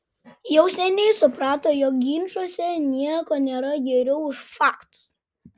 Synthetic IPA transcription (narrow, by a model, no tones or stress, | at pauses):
jɛʊsʲɛnʲɛɪsʊpɾɑːt̪oːjɔk̚ɡʲiːnʲʃuɔsʲɛnʲiɛkoːnʲeːɾɐɡʲɛɾʲɛʊɪʃfɑːkt̪ʊ̥s